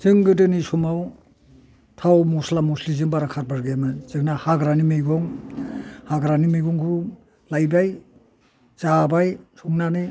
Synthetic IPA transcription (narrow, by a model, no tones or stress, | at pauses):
zɯŋɡɯdɯnisumaw | tʰawmɔslamɔslizɯŋbaɾakʰaɾbaɾɡemɯzɯknahaɡɾanimejɡɔŋ | haɡɾanimejɡɔŋkʰu | lajbaj | zabajsʰɔŋnani